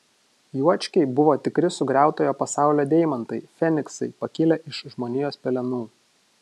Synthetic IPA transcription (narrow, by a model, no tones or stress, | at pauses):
juɔt͡ʃʲkʲɛɪbʊʋoːt̪ʲɪkɾʲɪsʊɡɾʲæˑʊt̪oːjoːpɐsɑˑʊlʲoːd̪ʲɛɪmɐnt̪ɐɪfʲɛnʲɪksɐɪpɐkʲɪlʲɛʔɪʃʒmoːnʲɪjoːspʲɛlʲɛnuː